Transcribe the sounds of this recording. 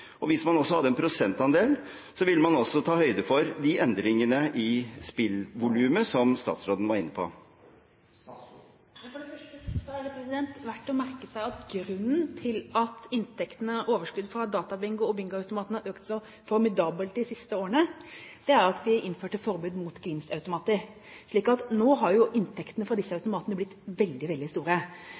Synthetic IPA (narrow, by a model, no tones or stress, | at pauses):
ɔʋɪsmɑnɔsːɔhɑd̪ːəɛnpʰɾʊsɛnt̪ɑnd̪eːl | sɔʋɪlːmɑnɔsːɔt̪ʰɑːhœʏd̪əfɔɾd̪ɪɛnd̪ɾɪŋənəʔɪspɪlʋʊlʉːməsɔmst̪ɑ̰ːt̪sɾoːd̪n̩ʋɑɾɪnːəpʰo̰ | ɛfɔɖɛfœəsɔhɑɾəpʰɾɛsɪd̪ɛnt̪ʋæʈːɔmæɾkəsæɪɑt̪ɡɾʉnːnt̪ʰɪlɑt̪ɪnt̪ʰɛkt̪ənəoːʋəʂkʉd̪fɾɑd̪ɑːt̪ɑbɪŋɡʊɔbɪŋɡʊɑʉt̪ʊmɑːt̪nəɑɾøːkt̪sɔ | fɔɾmɪd̪ɑːbəlt̪d̪ɪsɪst̪əoːɾəɳəd̪̥ɛæɾɑt̪ʋɪʔɪnːføːʈəfɔɾbʉːd̪mʊt̪ɡɾɪːmsɑʉt̪ʊmɑːt̪əɾ | ʂɭiːkɑt̪noːɦɑɾjʊʔɪnt̪ʰɛkt̪ənəfɾɑd̪ɪsːəɑʉt̪ʊmɑːt̪ənəblɪt̪ːʋɛld̪ɪʋɛld̪ɪst̪uːɾə